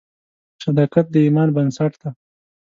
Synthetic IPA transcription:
sad̪ɑkat̪̚d̪əimɑːnbansaʈd̪a

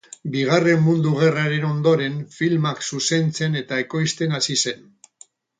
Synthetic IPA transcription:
biɣ̞are̞mːund̪uɣ̞e̞raɾe̞no̞nd̪o̞ɾe̞ɱfilmaksuse̞nt͡se̞ne̞t̪ae̞ko̞jst̪e̞nasise̞n

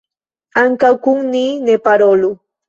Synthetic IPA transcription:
aŋkakʊŋniːnepaɾolu

